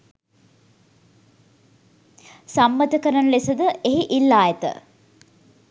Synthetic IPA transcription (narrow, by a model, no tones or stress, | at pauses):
samːət̪əkəɾənəlesəd̪əʔeɦiʔilːaːjet̪ə̰